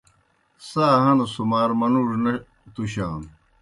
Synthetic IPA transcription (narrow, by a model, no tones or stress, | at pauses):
saːɦɐnosumaːɾmɐnuːʐnɐ | t̪uɕaːn